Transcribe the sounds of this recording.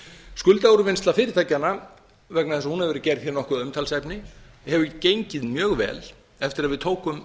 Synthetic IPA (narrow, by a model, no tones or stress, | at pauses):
skʏlt̪aoɾʏvɪnst̪lafɪːɾɪ̥t̪ʰajcanːa | vɛk̚naðɛsahunhɛvɛɾðcɛɾð̥çɛɾnɔhkʏðʏmt̪ʰalsɛpnɪ | hɛvʏcejɲcɪðmjœːɣvɛ̰ːl | ɛft̪ɪɾaðvɪðt̪ʰoːwkʏm